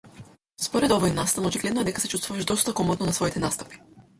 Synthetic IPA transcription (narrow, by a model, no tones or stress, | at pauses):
spɔɾɛd̪ɔvɔjnast̪anɔt͡ʃiɡlɛd̪noɛd̪ɛkasɛt͡ʃust̪vuvaʒd̪ɔst̪akɔmɔt̪nonasvɔit̪ɛnast̪ḁpi̥